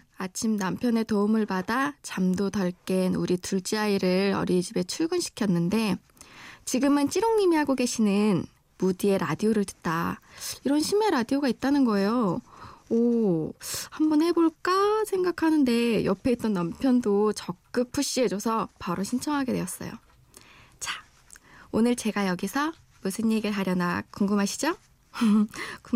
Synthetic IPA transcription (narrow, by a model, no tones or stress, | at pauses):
at͡ɕʰimnampʰjʌne̞toumɯɭpadat͡ɕamdotʌɭk͈e̞nuɾituɭt͡ɕ͈iaiɾɯɾʌ̰ɾid͡ʑibe̞t͡ɕʰuɭɡɯnɕʰi̥kʰjʌnːɯnde̞ | t͡ɕiɡɯmɯnt͡ɕ͈iɾoŋɲimiɦaɡoɡe̞ɕʰinɯn | mudie̞ɾadioɾɯɭtɯ̥t̚t͈aiɾʌnɕʰime̞ɾadioɡait̚t͈anɯnɡʌe̞jo | o | hambʌnhe̞boɭk͈asʰe̞ŋɡakʰanɯnde̞jʌpʰe̞it̚t͈ʌnːampʰjʌndot͡ɕʌk̚k͈ɯk̚pʰuɕ͈ied͡ʑosʰʌpaɾoɕʰint͡ɕʰʌŋɦaɡe̞dwe̞ʌs͈ʌ̰jo̰ | t͡ɕḁ | onɯɭt͡ɕe̞ɡajʌɡisʰʌ | musʰɯɲːeɡiɭɦaɾjʌnakk͈ːuŋɡɯmɦaɕʰi̥d͡ʑo | k